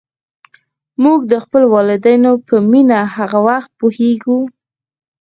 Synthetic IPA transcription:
muɡd̪əxpəlowɑlɪd̪ajnopəminahaɣawaxt̪̚puheɡu

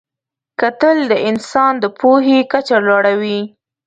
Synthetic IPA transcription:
kat̪əld̪əʔɪnsɑnd̪əpoɦekat͡ʃalɑɽawi

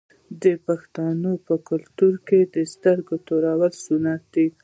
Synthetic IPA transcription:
d̪əpaxt̪ɑnopəkʊlt̪uɾked̪əst̪aɾɡot̪oɾawəlsunat̪̚d̪i

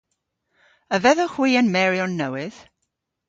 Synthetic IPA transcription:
əvɛðɔχw̥iːənmɛɾjɔnːəwɪð̥

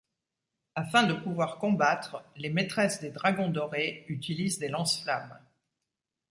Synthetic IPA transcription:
afɛ̃d̪əpuvwaʁkɔ̃bat̪χlemet̪χɛsd̪ed̪ʁaɡɔ̃d̪ɔʁeyt̪ilizd̪elɑ̃sflam

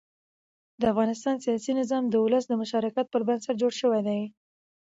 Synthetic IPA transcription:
d̪əafɣɑnɪs̬t̪ɑnsijɑsinɪzɑmd̪əʊləsd̪əmʊʃɑɾɪkat̪̚pəɾband̪saʈ̚d͡ʒoɽʃəwajd̪aj

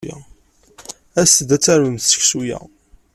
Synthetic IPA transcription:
jæ̰ | æsəd̪æt͡sːæɾməmθsə̥çsujæ̰

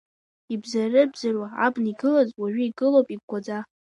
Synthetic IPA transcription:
ibzarɨbzarwaa̰bniɡɨlazʼwaɥʷᶣʏiɡɨlowpʼiɡ̚ɡʷad͡za

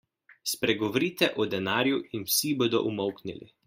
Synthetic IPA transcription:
spɾɛɡɔʋɔɾiːt̪ɛʔɔd̪ɛnaːɾjuʔinwsiboːd̪ɔ̰ʔumɔwknilḭ

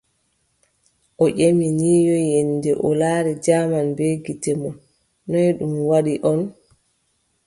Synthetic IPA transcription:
ʔɔʔeminiːjɔjɛndɛʔɔlaːɾɛd͡ʒaːmanbeɡitɛmɔnː | ɔjɗumwaɗiʔɔn

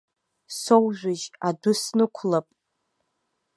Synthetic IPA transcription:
sowʒʷᶣɪʒadʊsnɨkʷʰlapʼ

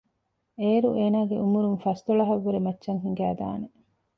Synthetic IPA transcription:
eːɾuʔeːnaːɡeʔumuɾuŋfɐst̪oɭɐɦɐʋːɐɾemɐtːʃɐŋɦiŋɡæːd̪a̰ːne

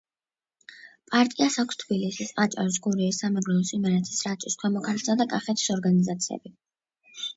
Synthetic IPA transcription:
pʼaɾt̪ʼiasakʰst̪ʰbilisisat͡ʃʼa̰ɾis̬ɡuɾɛisːamɛɡɾɔɔsʼimɛɾɛt̪ʰi̥sɾat̪t͡ʃ̪ʼiskʰwɛmɔkʰansad̪akʼaχɛt̪ʰi̥sɔɾɡanizat̪sʰiɛ̰bi

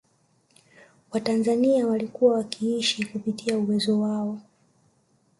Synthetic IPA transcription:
watanzaniawalikuwawakʰiiʃikupitiauwɛzɔwaɔ

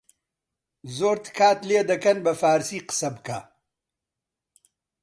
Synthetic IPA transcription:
zoːɾt̪ɨ̥kʰaːt̪leːd̪ɐkɐnbɐfaːɾsiːqɨ̥sɐbɨka̰

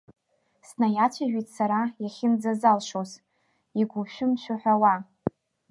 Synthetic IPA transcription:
snajatʷʰaʒᶣʷitʼsaɾajaχʲɪnd͡zazalʃoz | iɡʷʊʃᶣʊmʃʷᶣaħʷᶣawa

